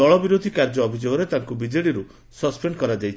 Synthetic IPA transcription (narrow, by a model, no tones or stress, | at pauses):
ɔɭɔbiɾod̪ʱikaɾd͡ʒɔːbʱid͡ʒoɡɔɾet̪aŋkubid͡ʒeɽiɾu | sɔspenkɔɾad͡ʒajt͡ʃʰ